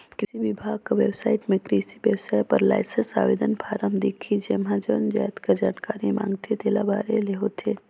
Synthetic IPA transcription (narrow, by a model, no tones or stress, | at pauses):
kɪsiʋibʱaːɡ̚kaʋebsaːɪʈmẽkɾisiʋjəwsaːjpɐɾla̰ːɪsənsa̰ːʋeːd̪ənpʰaːɾəmd̪eːkʰid͡ʒemɦãd͡ʒond͡ʒa̰ːjt̪kad͡ʒaːnkaːɾimã̰ːŋɡt̪ʰet̪eːlabaːɾeleɦot̪ʰe